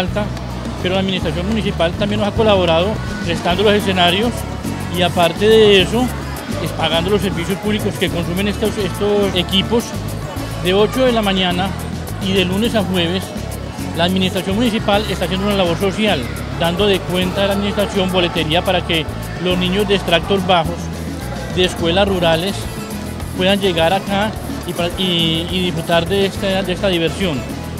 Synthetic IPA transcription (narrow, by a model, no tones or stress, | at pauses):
lt̪a | pe̞ɾolaːðminist̪ɾas̬jo̞nmunisipalt̪ambjenosako̞laβo̞ɾað̞o̞ | rest̪and̪olo̞se̞s̬e̞naɾjo̞s | iapaɾt̪e̞ðe̞eeso̞ | espaɣand̪o̞los̬ːe̞ɾbisjo̞spuβliko̞ske̞ko̞nsume̞nest̪osest̪osekipos | d̪e̞o̞t͡ʃo̞ðe̞lamãɲana | iðe̞lune̞saxwe̞β̞e̞s | laːðminist̪ɾas̬jo̞nmunisipale̞st̪asjend̪ounalaβo̞ɾso̞sjal | d̪and̪o̞ðe̞kwe̞nt̪aðelaðminist̪ɾasjo̞mbo̞le̞t̪e̞ɾiapaɾake | lo̞znĩɲo̞zd̪e̞ːst̪ɾak̚t̪o̞zbaxos | d̪e̞ːskwe̞lasruɾale̞s | pwe̞ðand͡ʒe̞ɣaɾaka | ipaiːðifɾut̪aɾd̪est̪d̪est̪aðiβe̞ɾsjo̞n